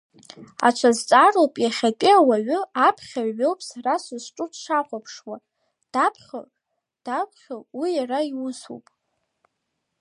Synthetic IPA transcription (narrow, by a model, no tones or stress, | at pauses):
a̰t͡ʃʷʰazt͡sʼarowpʼjaχʲatʲʼɪawaɥʊapʰχʲaɥowpʼsarasʊzʈ͡ʂʼʊtʰʂaqʷʼapʰʂwa | d̥apʰχʲo̰ | d̥akʷʰʼχʲowijaɾaiwʊsṵpʼ